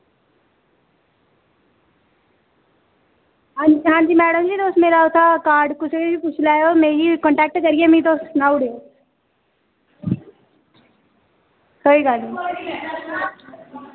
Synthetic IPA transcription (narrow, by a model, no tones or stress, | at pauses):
ɦãːd͡ʒiɦãːɲd͡ʑiːmɛːɽəmd͡ʑiːd̪oːst̪meːɾaʊt̪ʰakaːɾɖkʊsed͡ʑiput͡ʃʰlaːjomeːɾikɔ̃ɳʈɛːk̚ʈkɐɾiemĩd̪oːsnaʊɽeo | soikaːli